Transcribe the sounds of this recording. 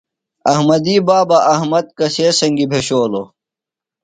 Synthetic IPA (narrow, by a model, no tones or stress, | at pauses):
ɐhmɐd̪iːbaːbɐʔɐhmɐd̪̚kɐseːsɐŋɡibʱeɕoːlo